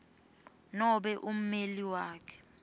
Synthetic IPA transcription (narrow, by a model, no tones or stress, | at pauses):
nɔɓɛʔum̩meliwaːkʰɛ̥